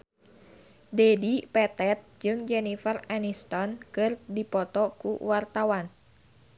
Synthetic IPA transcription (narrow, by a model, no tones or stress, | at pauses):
dɛdipɛt̪ɛt̪̚d͡ʒɨŋd͡ʒɛnifaranist̪ɔnkɨrdipɔt̪ɔkṵwart̪awan